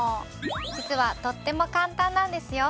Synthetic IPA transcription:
o | d͡ʑit͡sɨβat̪o̞t̪ːe̞mo̞kãnt̪ãnːãnd̪e̞sɨjo̞

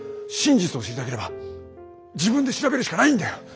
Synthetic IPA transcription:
ɕĩɲd͡ʑit͡sɨoɕiɾʲit̪akeɾe̞ba | d͡ʑibɯ̃nd̪e̞ɕiɾabe̞ɾɯ̟ɕi̥kanaĩnd̪ajo

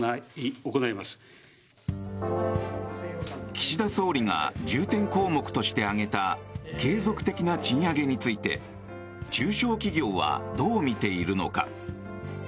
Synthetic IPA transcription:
okonaimasɨ̥ | kʲi̥ɕid̪aso̞ːɾʲiŋa̰d͡ʑɨːt̪ẽ̞ŋko̞ːmo̞kɯ̟̥t̪o̞ɕi̥t̪e̞aŋe̞t̪ake̞ːzo̞kɯ̟̥t̪e̞kʲinat͡ɕĩɰ̃aɡe̞ɲ̟it͡sɨit̪e̞̰ | t͡ɕɨːɕo̞ːkʲiɡʲo̞ːβa̰d̪o̞ːmʲit̪e̞iɾɯ̟no̞̰ka̰

